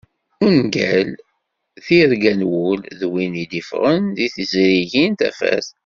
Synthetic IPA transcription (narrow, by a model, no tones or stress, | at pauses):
unɡæl | θiɾɡænwʊlðwinid̪ifʁənðiθəzɾiʝint̪æ̰fæ̰θ